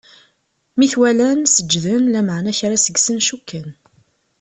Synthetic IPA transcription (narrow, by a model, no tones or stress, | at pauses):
miθwælænsəd͡ʒːðənlæməʕnæçɾasəɡsənʃukːæn